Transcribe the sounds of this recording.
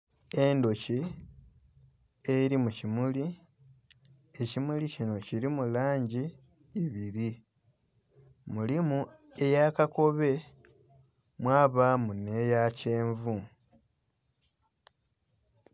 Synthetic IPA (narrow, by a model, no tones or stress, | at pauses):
e̞ndo̞ci | eɾimucimuli | e̞cimulicino̞ciɾimulaːɲɟiiβiɾi | mulimue̞jakako̞βe̞ | mwaːβamune̞jace̞ːɱvu